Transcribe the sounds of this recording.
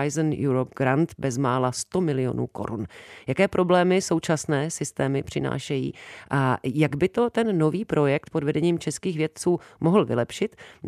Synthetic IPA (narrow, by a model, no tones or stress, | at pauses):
jznjuɾop̚ɡɾant̪bɛzmaːlast̪o̞mɪlɪjo̞̰nṵːko̞̰ɾṵnjakɛːpɾʔo̞blɛːmɪso̞wt͡ʃasnɛːsɪst̪ɛːmɪpr̝̥ɪna̰ːʃɛjḭːʔajaɡbɪt̪o̞t̪ɛnːo̞viːpɾo̞jɛk̚t̪po̞dvɛdɛɲiːmt͡ʃɛskiːxvjɛt̪̚t͡suːmoɦl̩vɪ̰lɛpʃɪt̪